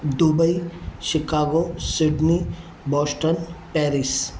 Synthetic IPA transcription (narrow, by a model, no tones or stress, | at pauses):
d̪ubəiʃɪkaːɡosɪɖni | bɔːsʈənpɛːɾis